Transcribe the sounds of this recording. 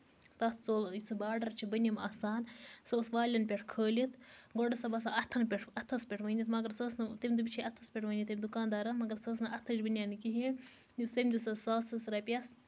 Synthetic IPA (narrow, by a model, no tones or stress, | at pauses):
t̪ɐt̪ʰt͡soːljit͡sʰɨbaːɖɐɾt͡ʃʰibɐnʲimɐːsaːnsoːsʋaːlʲɐnpʲeʈʰkʰəːlit̪ɡoɖɐsɐbɐsaːʔɐt̪ʰɐnpʲeʈʰɐt̪ʰːɐspʲeʈʰʋɐnʲit̪mɐɡɐɾsɐːsnɐt̪ɐmʲd̪ɨbit͡ʃʰiɐt̪ʰːɐspʲeʈʰʋɐnʲit̪ɐmʲd̪ukaːnd̪aːɾɐmɐɡɐɾsɐs̬nɐʔɐt̪ʰɐt͡ʃbɐnʲanɨkiɦi | just̪ɐmʲd̪isɐsasɐsɾɐːpʲɐs